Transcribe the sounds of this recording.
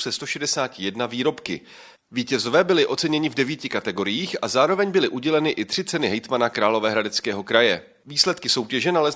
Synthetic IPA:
sɛst̪o̞ʃɛdɛsaːcɪjɛdnaviːɾo̞pkɪ | viːcɛzo̞vɛːbɪlɪʔo̞t͡sɛɲɛɲɪvdɛviːcɪkat̪ɛɡo̞ɾɪjiːxazaːɾo̞vɛɲbɪlɪʔuɟɛlɛnɪʔɪt̪r̝̥ɪt͡sɛnɪɦɛjt̪manakɾaːlo̞vɛːɦɾadɛt͡skɛːɦo̞kɾajɛ | viːslɛt̪kɪso̞wcɛʒɛnalɛ

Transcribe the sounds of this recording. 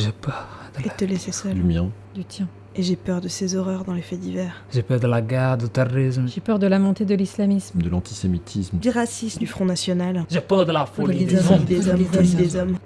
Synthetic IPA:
ʒepœʁd̪əet̪əlesesœd̪ymjɛ̃ | d̪yt̪jɛ̃ | eʒepœʁd̪əsezɔʁœʁd̪ɑ̃lefɛd̪ivɛːʁʒepœʁd̪əlaɡaʁd̪ət̪aʁismʒepœʁd̪əlamɔ̃t̪ed̪əlislamismd̪əlɑ̃t̪ʰi̥semit̪ʰismd̪yʁasismd̪yfχɔ̃nasjɔnalʒɛpœʁd̪əlafod̪eid̪ezɔmvid̪ezɔm

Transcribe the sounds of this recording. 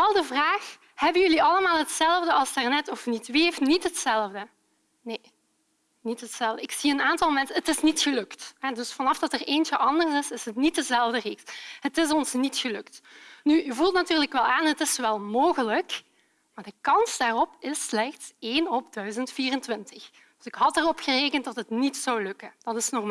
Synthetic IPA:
ɑlˠdəvraːx | hɛbənjɵliɑləmaːlˠɦətsɛlˠvdəɑlˠstarnɛtɔfnitʋeːfnitɦətsɛlˠvdə | neː | nitɦətsɛlˠvdəɪksiənaːntɑlˠmɛnsəətɪsnitxəlɵktɦɛdɵsfɑnɑfdɑtəreːnt͡ʃəʔɑndərsɪsɪsɦətnit̚dəzɛlˠvdəreːkshətɪs̬ɔnsnitxəlɵktnyyvulˠtnatyːrləkʋɛlˠaːnɦətɪsoʋɛlˠmoːɣələk | maːɹdəkɑnsdaːrɔpɪslɛxtseːnɔbdœɥzəntfiːrəntʋɪntəx | d̥ɵsɪkɦɑtərɔpxəreːkəntdɑtɦətnitsɑwlɵkənd̥ɑtɪsnɔrma

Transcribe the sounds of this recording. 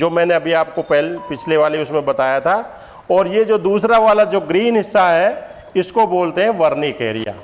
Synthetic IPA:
d͡ʒoːmɛ̃ːneɐbʱiaːp̚kopɛɦlpɪt͡ʃʰleʋaːleʊsmẽbɐt̪aːjat̪ʰaː | ɔːɾjed͡ʒoːd̪uːsɾaʋaːlad͡ʒoːɡɾiːnɦɪsːaɦɛ | ɪskoboːlt̪eɦɛ̃ʋɐɾnikeːɾḭja̰ː

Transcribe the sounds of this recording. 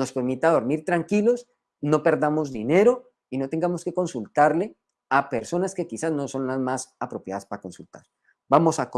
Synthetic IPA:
no̞speɾmit̪aðo̞ɾmiɾt̪ɾaŋkilo̞s | no̞pe̞ɾd̪amo̞zd̪ine̞ɾo̞ | ino̞t̪eŋɡamo̞ske̞ko̞nsult̪aɾle̞ | ape̞ɾso̞naske̞kisazno̞so̞nlazmasapɾo̞pjaðaspaɾako̞nsult̪a̰ɾ | bamo̞sak

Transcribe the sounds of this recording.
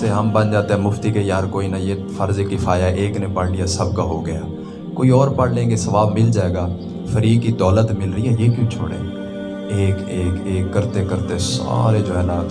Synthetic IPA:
eɦəmbə̃nd͡ʒaːt̪ẽɦɛ̃ːmʊft̪ikejaːɾkoːinajeːfəɾzekːifʰaːjaɛʔeːknepəɽɽijasəbkaɦoɡəja̰ː | koːiɔːɾpəɽnekesəʋaːbmɪld͡ʒaːeːɡaː | fʰəɾiːkːid̪ɔːlət̪mɪlɾəiɦɛjekjũːt͡ʃʰo̰ːɽḛ | eːkeːkeːkːəɾt̪ekəɾt̪esa̰ːɾed͡ʒoɛːlaː

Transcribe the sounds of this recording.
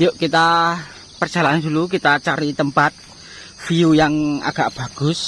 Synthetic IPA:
joʔkit̪a | pərd̥ʒ̥a̤land̪uluk̬it̪at͡ʃaɾit̪əmpat̪̚ | fiujaŋa̰ɡ̥a̤ʔb̥a̤ɡ̥ʊ̤s

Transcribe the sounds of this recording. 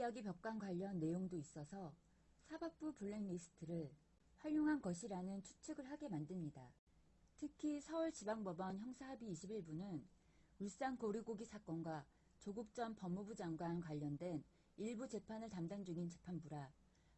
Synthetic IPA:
aɡipjʌk̚k͈ankwaʎːʌnːe̞joŋdois͈ʌsʰʌ | sʰabak̚p͈upuɭːeŋmisʰɯ̥tʰɯɾɯɭ | ɸwaʎːoŋɦanɡʌɕʰiɾanɯnt͡ɕʰu̥t͡ɕʰɯɡɯɭɦaɡe̞mandɯɭmɲida | tʰɯkʰisʰʌuɭt͡ɕibaŋbʌbʌnçjʌŋsʰaɦabiːɕʰibiɭbunɯn | uɭs͈ankoɾiɡoɡisʰak͈ʌnɡwa | t͡ɕoɡuk̚t͡ɕ͈ʌnpʌmːubud͡ʑaŋɡwankwaʎːʌndwe̞n | iɭbud͡ʑe̞pʰanɯɭtamdand͡ʑuŋint͡ɕe̞pʰanbuɾa

